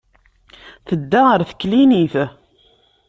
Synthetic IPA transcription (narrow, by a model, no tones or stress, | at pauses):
θəd̪ːaʁəɾθkːliniθ